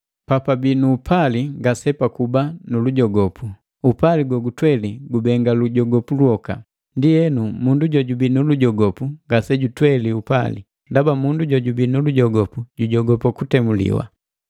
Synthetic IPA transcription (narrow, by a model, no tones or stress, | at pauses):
papabinuːpʰaliŋɡasɛpakubanuluɟɔɡɔpu | upaliɡwɔɡutwɛliɡubɛŋɡaluɟɔɡɔpulwɔka̰ | ndijɛnumunduɟɔɟubinuluɟɔɡɔpuŋɡasɛɟutwɛliupalḭ | ndabamunduɟɔɟubinuluɟɔɡɔpuɟuɟɔɡɔpakutɛmulḭwa̰